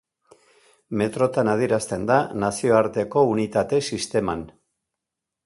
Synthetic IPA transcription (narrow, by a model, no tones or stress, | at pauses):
me̞t̪ɾo̞t̪anað̞ieɾast̪e̞nd̪anasio̞aɾt̪e̞ko̞unit̪at̪e̞sist̪e̞man